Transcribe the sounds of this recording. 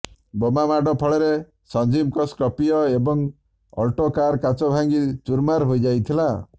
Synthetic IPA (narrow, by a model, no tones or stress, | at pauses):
bomamaɖɔpʰɔɭeɾe | sɔnd͡ʒimkɔskɔpijɔebɔŋ | ɔ̰lʈokaɾkat͡ʃɔbʱaŋɡit͡ʃuɾmaɾɦojd͡ʒajt̪ʰila